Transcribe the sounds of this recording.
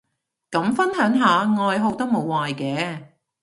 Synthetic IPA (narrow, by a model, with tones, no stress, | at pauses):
kɐ˨˥mfɐ˥nɦœː˨˥ŋɦaː˨˧ŋɔː˨˧jɦo˨˧wt̪ɐ˥k̚mo˨˧waː˨jkɛː˨˧